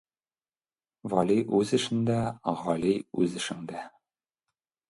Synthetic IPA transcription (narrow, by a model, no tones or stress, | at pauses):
vɒliʔʉzɘ̆ʃɘ̆nd̪æʁɒliʉzɘ̆ʃɘ̆ŋd̪æ